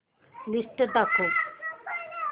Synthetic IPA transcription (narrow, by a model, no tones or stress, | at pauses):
lisʈed̪akʰo